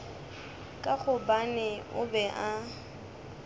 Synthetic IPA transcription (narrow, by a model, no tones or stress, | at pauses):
kʼak͡xʰʊbanɛʊ̰bɛʔa